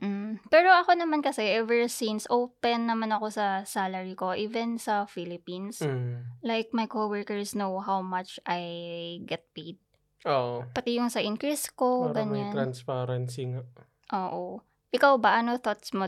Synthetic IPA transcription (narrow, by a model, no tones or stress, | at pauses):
m̩pɛɾo̞ʔɐko̞nɐmankɐsɛʔɛvɛɹsinsʔowpɛnːɐmanɐko̞sɐsalɐɹiko̞ʔiːvɛnsɐfilɪpinslajk̚mɐjkoːwɛɹkɛɹsnowɦawmat͡ʃʔajɡɛt̪̚pejd̪̚ | ʔoʔopɐt̪ɛjʊŋsɐʔɪnkɹiskoɡɐɲanɾanspaːɾɐnsiŋaʔ | ʔoːʔo | ʔɪkawbɐʔɐnoθot̪smo